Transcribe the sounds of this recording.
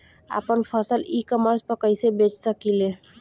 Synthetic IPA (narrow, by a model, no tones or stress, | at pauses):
a̰pənpʰəsəlikəməɾspəkəjsebet͡ʃsəkile